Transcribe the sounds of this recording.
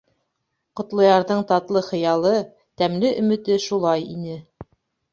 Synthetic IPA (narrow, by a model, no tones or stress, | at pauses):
qŏt̪lˠɤ̆jɑɾðɤɴt̪ɑt̪lˠɤχɤ̆jɑlˠɤ | t̪æmlɘʔɵ̆mɘ̆t̪ɘʃulˠɑjinɘ